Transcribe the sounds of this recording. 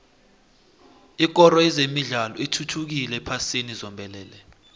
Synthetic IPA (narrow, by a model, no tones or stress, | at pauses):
ik̬ɔɾɔɛzemiɮalɔitʰutʰuk̬ilɛpʰasinizɔmbʱɛlɛːlɛ